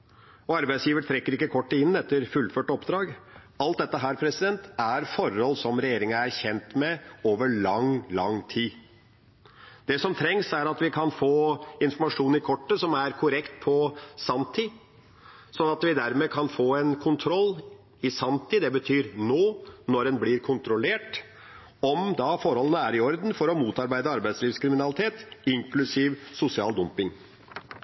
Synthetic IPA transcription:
ɔɑɾbæɪsjiːʋət̪ʰɾɛkːəɾɪkːəkʰɔʈːɪnːɛt̪ːəɾfʉlːføːʈɔpd̪ɾɑːɡ | ɑlt̪̚d̪ɛt̪ːəɦæːɾpʰɾɛsɪd̪ɛnt̪æɾfɔɾɔlːsɔmɾɛjeːɾɪŋəæɾçɛnt̪mɛoːʋəɭɑŋlɑŋt̪ʰiː | d̪̥ɛsɔmt̪ʰɾɛŋsæɾɑt̪ʋɪkʰɑnfoːɪnfɔɾmɑʂuːn̩ɪkʰɔʈːəsɔmæɾkʰʊɾɛkt̪pʰɔsɑmt̪ʰi | sɔnːɑt̪ʋɪd̪æɾmeːkʰɑnfoːɛnkʰʊnt̪ʰɾɔlː | ɪsɑnt̪ʰɪd̪ɛbət̪ʰyːɾnoːnɔɾɛnblɪɾkʰʊnt̪ɾʊleːʈ | ɔmd̪ɑfɔɾhɔlənəæɾɪɔɾd̪n̩fɔɾɔmuːt̪ɑɾbæɪd̪əɑɾbæɪd̪sliːʋskʰɾɪmɪnɑlɪt̪ʰeːt̪ɪŋklʉsiːʋsʊsɪɑ̰ːld̪ʊmpɪŋ

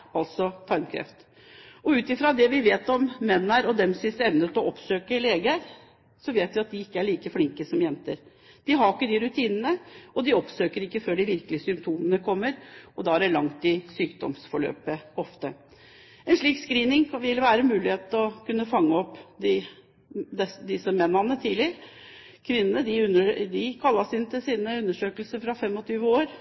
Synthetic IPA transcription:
ɑlt̪sɔt̪ʰɑɾmkʰɾɛ̰ft̪ | ɔʉːt̪ɪfɾɑd̪ɛʋɪʋeːt̪ɔmːɛnːæɾɔd̪ɛmsɪsɛmnət̪ɔʔɔpsøːkəleːɡəɾ | sɔʋeːt̪ʋɪɑt̪̚d̪ɪɪkːəæɭiːkəflɪŋkəsɔmjɛnt̪əɾ | d̪̥ɪɦɑɾɪkːəd̪ɪɾʉt̪ʰiːnənəɔd̪ɪɔpsøːkəɾɪkːəføːɖɪʋɪɾkəlɪəsʏmpt̪ʰuːmənəkʰɔmːəɾɔd̪ɑːæɖɛɭɑŋt̪ɪsyːkd̪ɔ̰msfɔɭø̰ːpəɔft̪ə | ɛnʂɭiːkskɾiːnɪŋʋɪlʋæːɾəmʉːlɪheːt̪ɔkʉnːəfɑŋːəɔpːd̪ɪ | d̪ɛsd̪ɪsəmɛnːɑnːət̪ʰiːlɪəɾ | kʰʋɪnːənəd̪ɪʉnəd̪ɪkʰɑlːɑsɪnt̪ɪlsiːnəʉnːəʂøːkəlsəɾfɾɑfɛmːɔt̪ʰyːʋəoːɾ

